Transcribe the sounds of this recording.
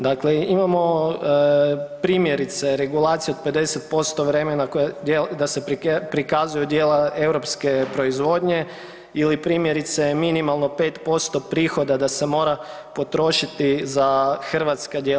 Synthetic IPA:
d̪akleimamo̞ | pɾiːmje̞ɾit̪se̞ɾe̞ɡulˠat̪sijeod̪̚pe̞d̪e̞se̞t̪̚po̞st̪o̞ʋɾe̞me̞nakoed̪ase̞pɾikazujud̪je̞ːlae̞ʋɾo̞pske̞pɾo̞izʋo̞ːd̪ɲe̞ | ilipɾiːmje̞ɾit̪se̞minimalˠno̞pet̪po̞st̪o̞pɾiːxo̞d̪ad̪ase̞mo̞ɾa | po̞t̪ɾo̞ʃit̪izaxr̩ʋat̪skad̪je

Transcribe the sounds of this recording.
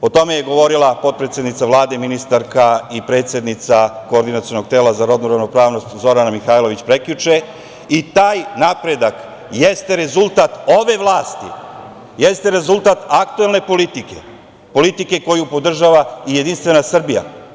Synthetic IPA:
o̞t̪o̞me̞je̞ɡo̞ʋo̞ɾilˠapo̞t̪̚pɾet̪sje̞d̪nit̪saʋlˠaːd̪e̞minist̪aɾkaipɾet̪sʲje̞d̪nit̪sakoːɾd̪inat̪sijo̞no̞ɡ̚t̪e̞ːlazaɾo̞d̪nuɾaʋno̞pɾaːʋno̞st̪zo̞ɾanamixaːlo̞ʋit͡ɕpɾe̞klut͡ʃe̞ | it̪aːjnapɾe̞d̪ak | jest̪e̞ɾe̞zulˠt̪at̪o̞ʋe̞ʋlˠaːst̪ḭ | jest̪e̞ɾe̞zulˠt̪at̪akt̪uelˠne̞po̞lit̪ike̞̰ | po̞lit̪ike̞ko̞jupo̞d̪r̩ʒaʋaije̞d̪inst̪ʋe̞nasr̩bija̰

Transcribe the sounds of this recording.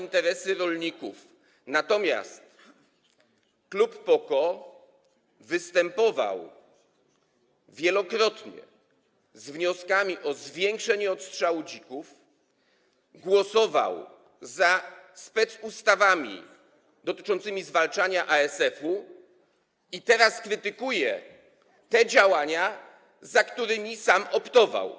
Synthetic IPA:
int̪ɛɾɛsɘɾɔlɲikuf | nat̪ɔmʲja̰st̪ | klupːɔkɔ | vɘst̪ɛmpɔva̰w | vʲjɛlɔkɾɔt̪ɲɛ̰ | zvɲɔskamʲiʔɔzvʲjɛŋkʂɛɲɛɔt̪stʂawud͡ʑikuf | ɡwɔsɔva̰w | zaspɛt̪sust̪avamʲḭ | d̪ɔt̪ɘ̥t͡ʂɔnt̪sɘmʲizvalt͡ʂaɲaʔaɛsɛfu | it̪ɛɾaskɾɘt̪ɘkujɛ | t̪ɛd͡ʑawaɲa | zakt̪uɾɘmʲisamɔpt̪ɔva̰w

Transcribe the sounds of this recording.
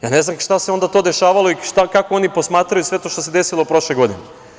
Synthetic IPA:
jaːne̞znamʃt̪aseo̞nd̪at̪o̞ːd̪e̞ʃaːʋalo̞iʃt̪akakoo̞nipo̞smaːt̪ɾajusʋe̞t̪oʃt̪o̞se̞d̪e̞silˠopɾo̞ʃleɡo̞d̪ine

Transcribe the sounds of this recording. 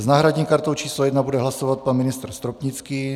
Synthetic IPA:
znaːɦɾaɟɲiːmkaɾt̪owt͡ʃiːslojɛd̪nabudɛɦlasovat̪̚panmɪnɪst̪ɾst̪ɾopɲit͡skiː

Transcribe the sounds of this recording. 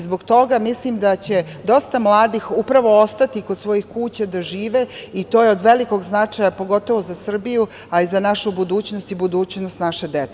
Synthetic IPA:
zbo̞ɡt̪o̞ɡamislimd̪at͡ɕe̞ | d̪o̞st̪amlˠaːd̪ixupɾaʋo̞ost̪at̪ikod̪sʋo̞jixkuːt͡ɕad̪aʒiːʋeit̪o̞ːjeo̞d̪ʋe̞liko̞ɡznat͡ʂajapo̞ɡo̞t̪o̞ʋo̞zasr̩biju | aizanaʃubud̪uːt͡ɕnost̪ibud̪uːt͡ɕnost̪naʃed̪et̪

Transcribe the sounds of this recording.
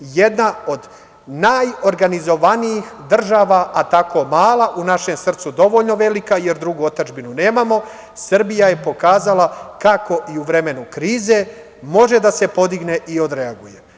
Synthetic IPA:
je̞d̪nao̞d̪ | naːjo̞ɾɡanizo̞ʋanijixd̪r̩ʒaːʋaʔat̪ako̞maːlaʔunaʃe̞msr̩t̪sud̪o̞ʋo̞ʎno̞ʋe̞likaje̞ɾd̪ɾuɡuot̪ad͡ʒbinune̞ːmamo̞ | sr̩bijaje̞po̞kaːzalakako̞ʔiuʋɾeme̞nukɾiːze̞ | mo̞ʒe̞d̪ase̞po̞d̪iɡne̞ʔio̞d̪ɾeaɡuje

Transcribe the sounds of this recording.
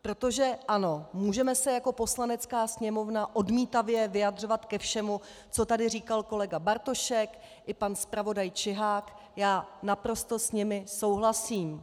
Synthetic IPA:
pɾo̞t̪o̞ʒɛʔano̞muːʒɛmɛsɛjako̞po̞slanɛt͡skaːsɲɛmo̞vnaʔo̞dmiːt̪avjɛvɪjadr̝o̞vat̪kɛfʃɛmu | t͡so̞t̪adɪriːkalko̞lɛɡabaɾt̪o̞ʃɛk | ʔɪpanspɾavo̞dajt͡ʃɪɦaːk | jaːnapɾo̞st̪o̞sɲɪmɪso̞wɦlasiːm

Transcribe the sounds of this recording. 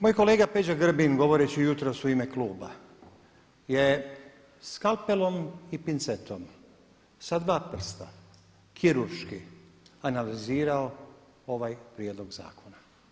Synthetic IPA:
mojko̞le̞ːɡape̞d͡ʑaɡr̩binɡo̞ʋo̞ɾet͡ɕijut̪ɾo̞suimekluːba | je̞ | skalˠpelo̞mipint̪set̪ʰo̞m | sad̪ʋaːpr̩st̪a | kʰiɾuɾʃkianaliziːɾao | o̞ʋajpɾjed̪lˠo̞ɡza̰ːkʰo̞na

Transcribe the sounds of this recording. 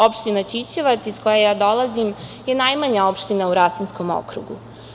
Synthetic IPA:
o̞pʃt̪inat͡ɕit͡ɕeʋat̪sisko̞jajaːd̪o̞lˠazimje̞najmaɲaopʃt̪inauɾasunskomo̰kɾṵɡṵ

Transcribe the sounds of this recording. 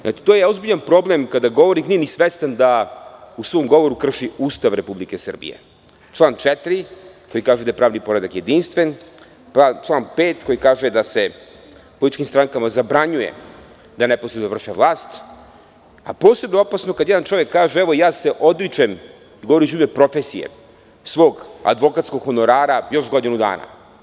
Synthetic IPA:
nʔa̰t͡ʃi̥t̪ojeo̞zbiʎanpɾo̞ble̞mkad̪aɡo̞ʋoɾixnije̞nisʋest̪and̪ausʋo̞ːmɡo̞ʋo̞ɾukr̩ʃiuːst̪aʋɾe̞publikesr̩bḭjḛ | t͡ʃlˠaːnt͡ʃet̪ɾiko̞jikaːʒed̪ajepɾaːʋnipo̞ɾed̪akje̞d̪inst̪ʋen | pant͡ʃlˠaːnpeːt̪ko̞jikaːʒed̪ase | po̞lit̪it͡ʃkimst̪ɾaŋkamazabɾaɲujḛ | d̪aneposɾenovr̩ʃeʋlˠaːst̪ | a̰po̞ːsebnoopasno̞kad̪jed̪ant͡ʃo̞ʋjekːaːʒeeʋojaːse̞ʔo̞d̪ɾit͡ʃem | iɡo̞ʋoɾit͡ʃumepɾo̞fesijḛ | sʋo̞ːɡa̰d̪ʋo̞kat̪sko̞ɡxo̞no̞ɾaːɾajo̞ʃɡo̞d̪inud̪a̰ːna̰

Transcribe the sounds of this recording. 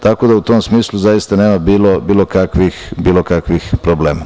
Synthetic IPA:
t̪ako̞d̪aut̪omsmiːslˠuzajist̪aneːmabiːlobiːlo̞kakʋixbiːlo̞kakʋixpɾobleːma

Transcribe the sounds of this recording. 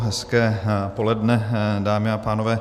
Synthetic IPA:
ɦɛskɛːpo̞lɛdnɛdaːmɪapaːnovɛː

